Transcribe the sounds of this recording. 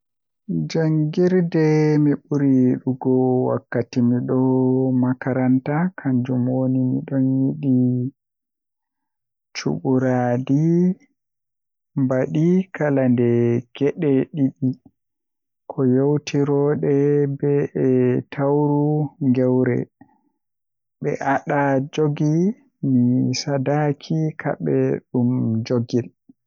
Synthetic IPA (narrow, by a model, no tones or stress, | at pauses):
d͡ʒaŋɡiɾdɛmiɓuɾiɗuɡɔwa̰kːatimiɗɔmakaɾantakʰaɲd͡ʒumwonimḭɗɔnjiɗi | t͡ʃṵɓuɾadi | mbaɗikʰalandɛɡ̥ɛɗɛɗiɗi | kʰɔjowtʰiɾɔɗɛbɛɛtʰawɾuŋɡɛwɾɛ̰ | ɓɛ̰ʔaɗad͡ʒoɡi | misadakʰikʰa̰ɓɛɗumd͡ʒoɡil